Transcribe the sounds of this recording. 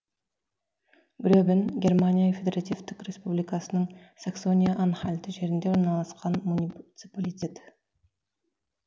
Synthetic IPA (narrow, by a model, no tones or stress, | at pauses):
ɡɾʲobʲɪnɡʲe̞rmanʲijaifʲed̪ʲeɾat̪ʲift̪ɪkrʲe̞spublijkɑsənəɴ | sakso̞nʲijaʔanχalʲt̪ɪʒe̞ɾɪnd̪e̞oɾnɑlˠɑsqɑnmunʲit̪sɨpalʲit̪ʲe̞t̪